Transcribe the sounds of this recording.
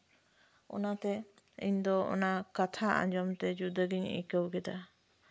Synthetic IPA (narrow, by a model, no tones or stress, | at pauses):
ɔ̰nat̪ɛ | ḭɲd̪ɔɔ̰nakat̪ʰaʔã̰d͡ʒɔmt̪ɛd͡ʒud̪əɡiɲḭkəwɡɛd̪a